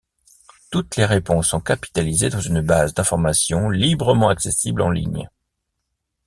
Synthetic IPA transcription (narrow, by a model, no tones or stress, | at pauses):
t̪ut̪leʁepɔ̃sːɔ̃kapi̥t̪alized̪ɑ̃zynbazd̪ɛ̃fɔʁmasjɔ̃libʁəmɑ̃aksesiblɑ̰̃lḭɲ